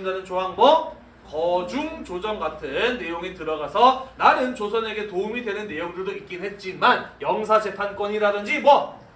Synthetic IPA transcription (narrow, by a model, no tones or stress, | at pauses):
ndanɯnt͡ɕoɦaŋmʌ | kʌd͡ʑuŋt͡ɕod͡ʑʌŋɡatʰɯnːe̞joŋitɯɾʌɡasʰʌnanɯnt͡ɕosʰʌne̞ɡe̞toumidwe̞nɯnːe̞joŋdɯɭdoik͈inɦe̞t̚t͡ɕ͈imanjʌŋs̬ʰad͡ʑe̞pʰank͈wʌɲiɾadɯnd͡ʑimwʌ